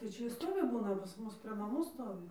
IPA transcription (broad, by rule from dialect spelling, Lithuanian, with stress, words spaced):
tɐɪ ˈt͡ʃʲɛ ɪ ˈstoːʋʲɪ ˈbuːnɐ pɐs ˈmʊs pʲrʲeː nɐˈmuː ˈstoːʋʲɪ